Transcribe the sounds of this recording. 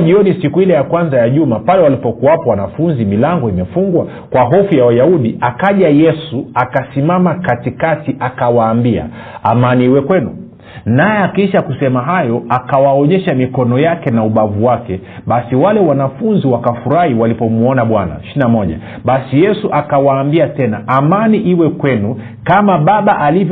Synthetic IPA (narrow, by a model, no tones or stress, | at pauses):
ʄiɔnisikuilɛjakwanzajaʄumapalɛwalipɔkuwapawanafunzimilaŋɡɔimɛfuŋɡwa | kwaɦɔfujawajauɗiʔakaʄajɛsuakasimamakatikatiʔakawaːmbia̰ | a̰maniiwɛkwɛnu | najɛakiʃakusɛmaɦajɔakawaɔɲɛʃamikɔnɔjakɛnauɓavuwakɛ | ɓasiwalɛwanafunziwakafuɾahiwalipɔmuɔnaɓwana̰ʃinamɔʄa̰ | ɓasijɛsuʔakawaːmbiatɛnaʔamaniʔiwɛkwɛnu | kamaɓaɓaʔalivj